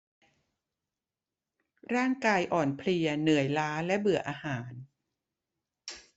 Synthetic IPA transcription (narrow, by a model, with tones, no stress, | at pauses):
ɾaː˥˩ŋkaː˧jʔɔː˨˩npʰli˧ɐnɯ˨˩˦əjlaː˦˥lɛ˦˥ʔbɯ˨˩ɐʔaː˧haː˩˦n